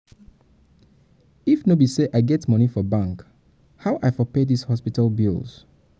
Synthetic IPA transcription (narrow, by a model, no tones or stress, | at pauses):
ifnobiseʔaɪɡɛtmʌnifɔbãŋk | haʊʔaɪfɔpedishɔspitəlˠbḭlˠz̥